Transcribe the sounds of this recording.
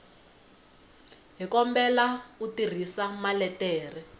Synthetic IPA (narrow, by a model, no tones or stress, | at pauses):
ɦikɔmbɛlautir̤isamalɛtɛːr̤i